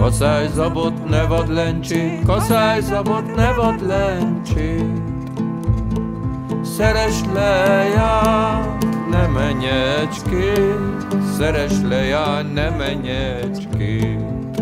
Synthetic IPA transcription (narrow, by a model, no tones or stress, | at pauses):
kɔsajzɔbot̪nɛvɔd̪lɛɲt͡ʃinkɔsajzɔbot̪nɛvɔd̪lɛɲt͡ʃi | sɛɾɛʃlɛja | nɛmɛɲɛt͡ʃket̪sɛɾɛʃlɛjaːɲnɛmɛɲɛ | t͡ʃki